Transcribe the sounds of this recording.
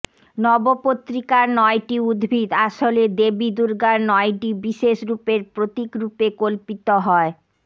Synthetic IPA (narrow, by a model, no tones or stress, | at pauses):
nɔbopot̪ːɾikaɾnɔjʈiud̪bʱid̪aʃoled̪ebid̪uɾɡaɾnɔjʈibiʃeʃɾupeɾpɾot̪ikɾupekolpit̪oɦɔe